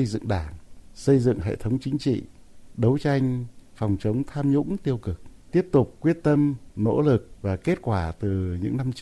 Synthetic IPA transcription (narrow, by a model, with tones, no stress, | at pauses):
ə˧jzɨ̰˧˨ŋɗaː˧˩ŋsə˧jzɨ̰˧˨ŋɦḛ˧˨t̪ʰə˨˦wŋ͡mt͡ɕï˨˦ŋ̟t͡ɕḭ˧˨ɗə˨˦wt͡ɕa˧jŋ̟fɔ˨˩wŋ͡mt͡ɕə˨˦wŋ͡mt̪ʰaː˧mɲʊ̰˧˥ŋ͡mt̪i˧əwkɨ˨˩k̚t̪i˦˥əp̚t̪ʊ˨˩k͡p̚kːwi˦˥ət̚t̪ə˧mno̰˧˥lɨ˨˩k̚vaː˨˩ke˦˥t̚kwaː˧˩t̪ɨ˨˩ɲɨ̰˧˥ŋna˧m